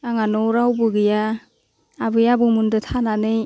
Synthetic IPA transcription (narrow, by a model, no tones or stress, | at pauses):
aŋanɔɾawbɯɡɯja | abɯjabɯmundɯtʰananɯj